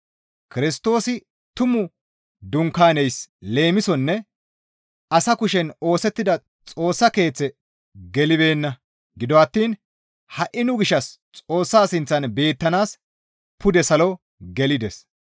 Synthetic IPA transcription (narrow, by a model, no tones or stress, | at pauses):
kɪɾɪst̪o̞ːsɪ | t̪ʊmʊ | d̪ʊŋkaːnɛjsle̞ːmɪsɔnːɛ | ɐsɐkʊʃɛno̞ːsɛt̪ːɪd̪ɐ | t͡sʼo̞ːsːɐke̞ːt͡sːɛ | ɡɛlɪbe̞ːnːɐ | ɡɪd̪ɔɐt̪ːiːn | hɐʔɪnʊɡɪʃɐs | t͡sʼo̞ːsːaːsɪnt͡sːɐnbe̞ːt̪ːɐnaːs | pʊd̪ɛsɐlɔ | ɡɛlɪd̪ɛs